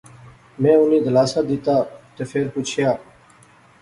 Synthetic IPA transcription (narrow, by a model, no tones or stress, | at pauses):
mẽːʊniːd̪əlaːsaːd̪ɪt̪aːt̪eːfʰeːɾput͡ʃʰɪjaː